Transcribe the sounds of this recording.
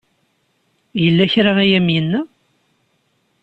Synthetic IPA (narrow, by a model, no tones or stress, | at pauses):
jəlːæçɾaæjæmjənːæ